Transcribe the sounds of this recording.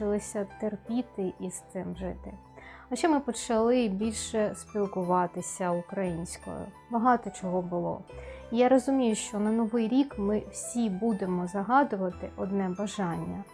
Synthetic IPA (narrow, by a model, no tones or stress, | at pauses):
ɪlˠɪsʲɐt̪erpʲit̪ɪʔist̪ɪmʒɪt̪ɪ | ɐʃt͡ʃːɛmɪpɔt͡ʃɐlˠɪbʲilʲʃɛspʲilˠkʊʋɑt̪ɪsʲɐʊkɾɐjinʲsʲkɔ̰jʊ̰ | bɐɦɑt̪ɔt͡ʃɔɦɔbʊlˠɔ̰jaɾɔzʊmʲijʊʃt͡ʃɔnɐnɔʋɪjɾʲikmɪw̥sʲibud̪emɔzɐɦɑd̪ʊʋɐt̪ɪʔɔd̪nɛbɐʒɑnʲːɐ